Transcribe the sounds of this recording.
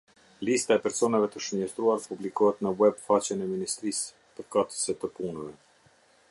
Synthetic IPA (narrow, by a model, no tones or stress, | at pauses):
list̪aɛpɛɾsɔnavɛt̪əʃəɲɛst̪ɾuaɾpublikɔhɛt̪nəwɛbfat͡ɕɛnɛminist̪ɾis | pəɾfkat̪əsɛt̪əpunəvɛ